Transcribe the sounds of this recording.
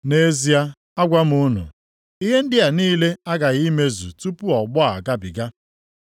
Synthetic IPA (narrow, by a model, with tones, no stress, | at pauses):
ne˦zi˦a˦ | a˦ɡʷa˦m̩˦ʊ˦nʊ̰˨ | i˦ɦe˦n̩˦dɪ˦a˨niː˦le˦a˦ɡa˨ɣi˦me˦zṵ˨tu˦pu˦ɔ˨ɡ͡bʊ˦a˨ɡa˦bɪ˨ɡa˦